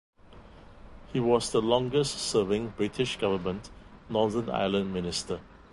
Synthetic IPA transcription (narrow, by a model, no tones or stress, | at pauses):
hiwɔsd̪əlɔ̃ŋɡəstsəvɪ̃ŋbɹɪtʰɪʃɡ̥avəmə̃ntnɔðə̃na̰ɪlə̃nmɪnɪstə